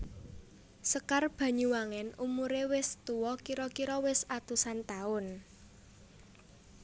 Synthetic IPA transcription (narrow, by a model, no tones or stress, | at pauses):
səkarb̥ä̤ɲuwaŋɛnumuɾewɪst̪uwɔkiɾɔkiɾɔwɪsat̪usant̪aʊn